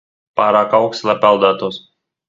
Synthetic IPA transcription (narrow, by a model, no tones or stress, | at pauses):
pɑɾɐkɐʊksʲlʲˠɐpʲɛlˠd̪ɐt̪ʊs